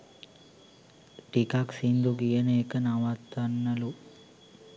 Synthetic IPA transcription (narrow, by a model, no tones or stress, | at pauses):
ʈikaːksind̪uɡijɐneːkɐnaʋaːt̪ːanːɐlu